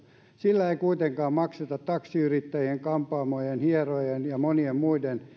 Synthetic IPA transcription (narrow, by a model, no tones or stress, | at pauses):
silːæeikuit̪eŋkɑːmmɑkset̪ɑt̪t̪ɑksiyrit̪ːæjieŋkɑmpˑɑːmojenhierojenjɑmoniemmuiden